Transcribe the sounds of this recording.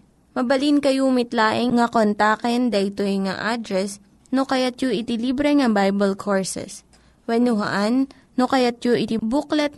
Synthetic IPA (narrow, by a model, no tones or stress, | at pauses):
mɐbɐlinkɐjumɪt̪laːʔɪŋːɐkont̪akɛnd̪ɐʔɪt̪oŋa̰ʔad̪ɾɛs | nokɐjat̪̚joʔɪt̪ɪlibɾɛŋɐbajbɛlkʰoɹsɛ̰s | wɛnʊɦɐ̰ʔanː | okɐjat̪̚joʔɪt̪ɪbuklɛt̪̚